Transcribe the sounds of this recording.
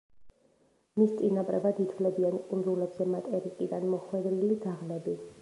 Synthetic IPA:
mist̪sʼinapʼɾɛ̰bad̪it̪ʰvlɛbiankʼunɾulɛbz̥ɛmat̪ʼɛɾikʼid̪anmɔχwɛd̪ɾiliɡ̪aʁlɛbi

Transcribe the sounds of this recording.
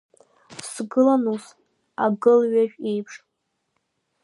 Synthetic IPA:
sɡɨlanus | a̰ɡɨlɥaʒᶣejpʰʂ

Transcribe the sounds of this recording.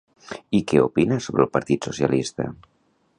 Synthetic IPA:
ikɛupinəsoβɾəlˠpɐɾt̪it̪susja̰list̪ə̰

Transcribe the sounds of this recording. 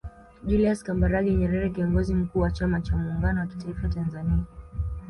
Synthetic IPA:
ʄuliaskambaɾaɠɛɲɛɾɛɾɛkiɔŋɡɔzim̩kuːwat͡ʃamat͡ʃamuːŋɡanɔwaki̥taifatanzania

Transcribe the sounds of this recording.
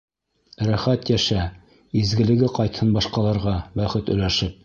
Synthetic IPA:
ɾæχæt̪jæʃæ | izɡɘ̆lɘ̆ɡɘqɑjt̪hɤnbɑʃqɑlˠɑɾʁɑbæχɘt̪ɵ̆læʃɘp̚

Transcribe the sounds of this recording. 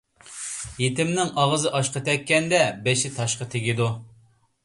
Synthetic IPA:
jet̪ɪmnɪŋɑʁəzɨʔɑʃqət̪ʰɛkʲːɛnd̪ɛbeʃɪt̪ʰɑʃqət̪ʰɪɡʲid̪u

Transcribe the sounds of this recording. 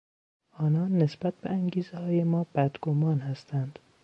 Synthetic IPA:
ʔɒːnɒːnːesb̥æt̪̚beæŋɟiːzehɒːjemɒːb̥æd̪ɡ̥omɒːnhæst̪ʰænd̪̥

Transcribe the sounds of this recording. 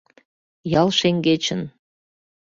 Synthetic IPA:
jɑlʃeŋɡet͡ɕə̆n

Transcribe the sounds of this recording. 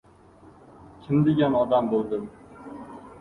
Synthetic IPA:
kʲʰɪmd̪eɡʲanɒd̪ambolˠd̪ɪm

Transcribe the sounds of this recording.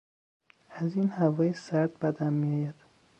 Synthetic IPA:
æziːnhævɒːjesæɾd̪̚bæd̪æmmijɒːjæd̪̥

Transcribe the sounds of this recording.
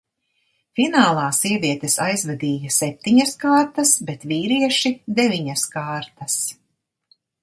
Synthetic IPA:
finaːlˠɑːsiɛviɛt̪esajzvad̪iːjasɛp̚t̪iɲɐskaːɾt̪ɐsbet̪viːɾiɛʃid̪eviɲaskaːɾt̪ɐs

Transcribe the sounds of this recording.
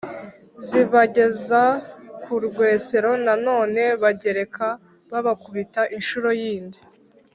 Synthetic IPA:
ziβaɟe̞zakʰuɾɡwe̞ːse̞ɾo̞nano̞ːne̞βaɟe̞ɾe̞kʰa | βaβakuβitaʔinʃuɾo̞jiːndi

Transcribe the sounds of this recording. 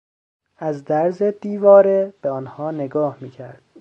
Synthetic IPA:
æzd̪æɾzed̪̥iːvɒːɾeb̥eɒːnhɒːne̞ɡɒːhmiːcʰæɾd̪̥

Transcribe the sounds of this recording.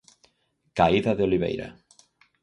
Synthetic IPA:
kaiðaðeoliβḛjɾa̰

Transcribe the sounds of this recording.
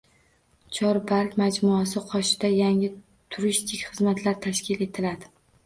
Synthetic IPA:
t͡ʃʰɒɾbaɾkʲmad͡ʒmuasɪqʰɒʃɪd̪ajaŋɪ | t̪ʰʊɾɪst̪ʰɪkʲχɨzmat̪ʰlaɾt̪ʰaʃkʲɪle̞t̪ʰɪlad̪ɪ

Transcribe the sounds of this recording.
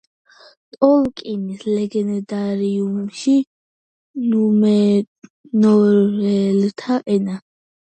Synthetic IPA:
t̪ʼɔlkʼinislɛɡɛnd̪aɾiumʃi | numɛ | nɔɾɛlt̪ʰaʔɛna

